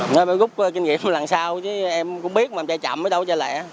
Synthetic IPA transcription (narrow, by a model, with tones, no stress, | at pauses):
nɔ˨˦˧m˧˦ɣʊ˦˥k͡p̚kï˧ŋŋḭ˧˨əmlaː˨˩ŋsaː˧wt͡ɕə˨˦ʔɛ˧mkʊ̰˧˥ŋ͡mɓi˦˥ət̚maː˨˧mt͡ɕaː˧jt͡ɕa̰˧˨mʔəː˨˦jɗə˧wt͡ɕa˧˩lɛ̰˧˨